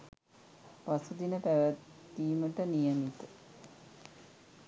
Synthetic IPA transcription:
pasud̪inəpæʋæt̪ːiːməʈənijəmit̪ə

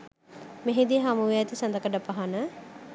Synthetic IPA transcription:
meɦed̪iɦamuʋeɛt̪isɐnd̪əkəɖəpaɦanə

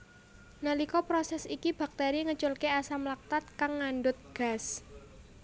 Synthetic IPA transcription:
nəlikɔpɾosɛsikib̥a̤k̚t̪eɾiŋət͡ʃʊlkeasamlak̚t̪at̪̚kaŋːanɖʊt̪̚ɡ̥a̤s

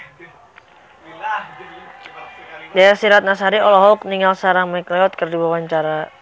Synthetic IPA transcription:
dajasiɾat̪̚nasaɾiɔlɔɦɔk̚niŋalsaɾaŋmakleɔt̪̚kərdiwawaɲt͡ʃaɾa

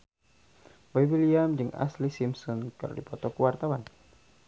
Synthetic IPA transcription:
waiwiliamd͡ʒɨŋa̰slisimsɔnkɨ̰rdḭpɔt̪ɔkuwart̪awan

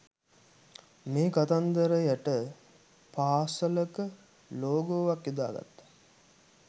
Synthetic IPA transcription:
meːkat̪and̪əɾəjæʈə | paːsələkə | loːɡoːʋakːid̪a̰ːɡa̰t̪ːḁ

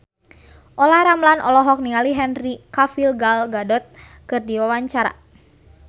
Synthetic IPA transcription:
ʔɔlaɾamlanʔɔ̰lɔɦɔk̚niŋaliɦɛnrikafilɡalɡadɔt̪̚kɨrdiwawaɲt͡ʃaɾa̰

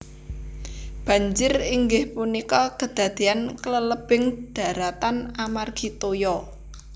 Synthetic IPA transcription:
b̥ä̤ɲd͡ʒɪriŋɡɪhpunikɔkəd̪̥ä̤d̪̥e̤ankələləb̥ɪŋd̪̥a̤ɾat̪anamarɡ̥it̪ojɔ

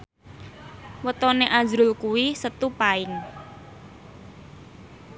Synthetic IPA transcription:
wət̪ɔneʔḁzɾʊlkuwisət̪upaɪŋ

